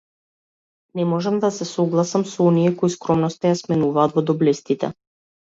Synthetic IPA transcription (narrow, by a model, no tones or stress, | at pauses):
nɛmɔʒamd̪asɛsɔɡlˠasamsɔɔnijɛkɔiskɾɔmnɔst̪ajasmɛnuvaːt̪vɔd̪ɔblɛst̪it̪ɛ̰